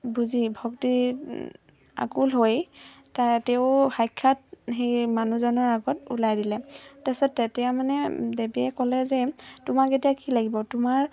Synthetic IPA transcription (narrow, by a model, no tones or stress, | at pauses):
buzibʱɔkti | a̰kulɦoj | tatɛʊxajkʰːat̚xejmanuzɔnɔɹaɡɔtṵlajdilɛtasɔɛtɛjamanɛdebiɛkɔlɛzɛtʊmaketijakilaɡibɔtʊmaɹ